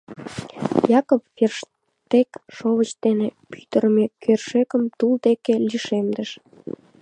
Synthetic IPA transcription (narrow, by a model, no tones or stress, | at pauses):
jɑkopferʃ | t̪ekʃoβət͡ɕd̪enepy̥t̪ərmekørʃekəmt̪uld̪ekeliʃemd̪əʃ